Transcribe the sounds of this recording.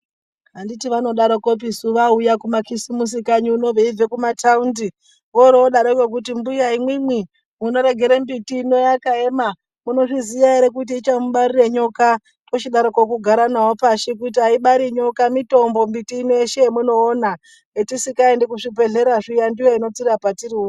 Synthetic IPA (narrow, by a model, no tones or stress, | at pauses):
ɦanditiʋano̞ɗaɾoko̞p̬isuʋaujakumakisimus̬ikaɲiuno̞ʋeivekumataundi | ʋoɾooɗaɾokwok̬utimbujaimwimwi | muno̞ɾe̞ɡʱe̞ɾembitiːno̞jakae̞ma | muno̞ʐiziʋaeɾe̞k̬ut̬iːt͡ʃamuɓaɾireɲo̞ka | pot͡ʃiɗaɾokok̬uɡʱaɾanawopaʃek̬ut̬iaiɓaɾiɲo̞kamito̞mbo̞mbitiːnoeʃemuno̞ːna | etisikaendekuʂipe̞ɮe̞ɾaʐijandijoino̞tirapatirio